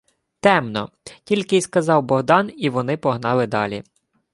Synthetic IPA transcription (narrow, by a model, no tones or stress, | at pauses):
t̪ɛmnɔ̰ | tʲilʲkɪjskɐzɑwbɔɦd̪ɑniʋɔnɪpɔɦnɑlˠɪd̪ɑlʲḭ